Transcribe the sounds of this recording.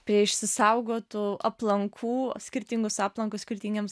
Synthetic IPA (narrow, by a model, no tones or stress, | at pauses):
pʲɾʲiɛɪʃʲsʲɪsɐʊɡoːt̪uɐplˠɐŋkʰuːsʲkʲɪɾʲt̪ʲiŋɡʊsɑːplˠɐŋkʊsʲkʲɪɾʲt̪ʲiːŋʲɡʲems